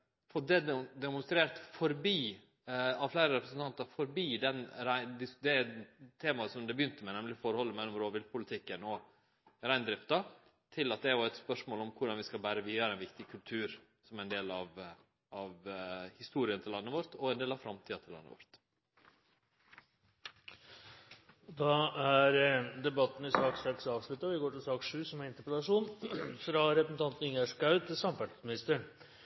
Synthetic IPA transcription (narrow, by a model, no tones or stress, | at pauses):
fɔɖɛd̪ɛmʊnst̪ɾeːɾt̪fɔɾbiː | ɑʋflæɪɾəɾɛpɾəsnt̪ʰɑnt̪ɑɾfɔɾbiːd̪ɛnɾæɪd̪ɪd̪ɛt̪ʰeːmɑsɔmd̪ɛbəjʏnt̪əmɛnɛmlɪfɔɾhɔlːəmɛlːɔmɾoːʋɪlpʰʊlɪt̪ʰɪkːənɔ | ɾæɪnd̪ɾɪpt̪ɑ | t̪ʰɪlɑt̪̚d̪ɛæɾjʊɛt̪spœʂmoːlɔmkʰʊɖɑnʋɪskɑlbæːɾəʋiːd̪ɑɾɛɪnʋɪkt̪ɪkʰʉlt̪ʰʉːɾ | sɔmæɪnd̪eːlɑʋ | ɑʋhɪst̪uːɾɪənət̪ʰɪlːɑnːəʋɔɾt̪ɔɛnd̪eːlɑʋfɾɑmt̪ʰiːɑt̪ʰɪlːɑ̰nːə̰ʋɔ̰ɾt̪ | d̪ɑæɾd̪ɛbɑt̪ːn̩ɪsɑːksɛksɑːʋʂlʏt̪ːəʋɪɡoːʈɪlsɑːkʂʉːsɔmæɪnt̪əpɾɛlɑʂuːnfɾɑɾɛpsnɑnt̪n̩ʏŋəʂkɑʉd̪ʰɪsɑmfæʈsmɪnɪst̪əɳ